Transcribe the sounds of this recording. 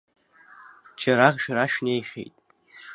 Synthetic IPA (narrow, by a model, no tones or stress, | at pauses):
t͡ʃʰaɾaχʂaɾaʂnejχʲḛjtʼ